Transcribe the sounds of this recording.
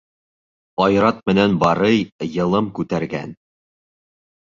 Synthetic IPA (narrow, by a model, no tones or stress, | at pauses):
ɑjɾɑt̪̚mɘ̆nænbɑɾɤjjɤ̆lˠɤmkʉt̪æɾɡæ̰n